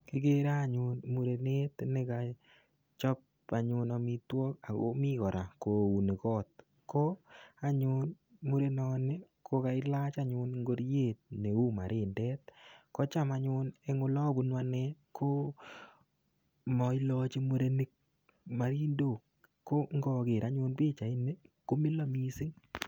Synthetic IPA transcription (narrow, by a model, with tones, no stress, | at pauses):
kɪ˦ɡe˦ɾaː˦˨ɲʊ˨nmu˨ɾe˨ne˦tne˨ka˨ | t͡ʃɔ˦p̚ | a˨ɲʊ˧nɔ˨mi˧twɔ˦ka˨o̰˦mi˦kɔ˨ɾa˨ko˨u˨ne˨kɔ˦t̪̚ | ko˦a˨ɲʊ˦n | mu˦ɾe˦nɔ˨ne˦ | kʰo˦ka˨ɪ˦la˦t͡ʃa˦ɲʊ˦nŋɡo˦ɾje˦˨t̚ne˨u˦ma̰˨ɾʔɪ˦ndɛ˦t̚kɔ˦t͡ʃa˦ma˨ɲʊne˦ŋʊ˨˦lɔ˦bu˨˦nwa˦ne˦kʰo˦ | mɔ˨ɪ˦lɔ˦t͡ʃi˦mu˦ɾe˦ni˦k̚ | ma˨ɾi˦ndo˨kː | o˦ŋɡɔ˨ke˨ɾa˦ɲʊ˦npe˦t͡ʃa˨i˦ne˦ko˦mɪ˦lo˦mi˦sɪ˦ŋ